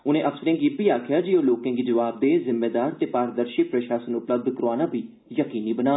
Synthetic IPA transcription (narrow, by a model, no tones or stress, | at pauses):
ʊnẽːʔəfsəɾɪ̃ːŋɡipiːaːkʰɪjaːd͡ʒiːoːloːkãːɡiːd͡ʒəʋaːb̚d̪eːzɪmːeːd̪aːɾt̪eːpaːɾəd̪əɾʃɪːpɾəʃaːsənʊpləb̚d̪kəɾoaːnãːbʱiː | jəkiːniːbənaː